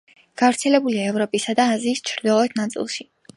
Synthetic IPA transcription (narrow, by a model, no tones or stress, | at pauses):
ɡ̥avɾt̪sʰɛlɛbuliaɛvɾɔpʼisad̪aːziːst͡ʃʰɾd̪ilˠɔɛt̪ʰnat̪sʼḭlˠʃi